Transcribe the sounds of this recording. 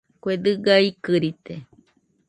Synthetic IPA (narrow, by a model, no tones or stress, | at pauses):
kʷed̪ɨɡajkɨɾit̪e